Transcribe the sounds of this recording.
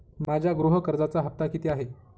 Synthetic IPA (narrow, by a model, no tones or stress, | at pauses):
mad͡ʑʱjaɡɾuɦəkəɾd͡zat͡saɦəp̚t̪akit̪iaɦe